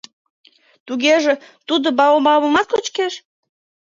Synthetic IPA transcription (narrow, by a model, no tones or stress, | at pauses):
t̪uɣeʒĕt̪ud̪obɑomɑβəmɑt̪lot͡ɕkeʃ